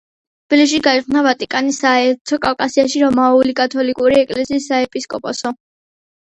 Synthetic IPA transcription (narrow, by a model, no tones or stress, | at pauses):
t̪ʰb̥ilis̬ʃ̬iɡainavat̪ʼikʼanisaɛɾt̪ʰɔkʼafkʼasiaʃiɾɔmaulikʼat̪ʰɔlikʼuɾiɛkʼlɛsiːsːaɛpʼiskʼɔpʼɔsɔ